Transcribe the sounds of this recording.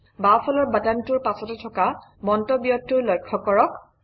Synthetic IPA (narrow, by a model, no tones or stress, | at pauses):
bafʰɔlɔɹbatantuɹpasɔtɛtʰɔkabɔntɔbijɔtːuɹlɔjkʰːɔkɔɹɔk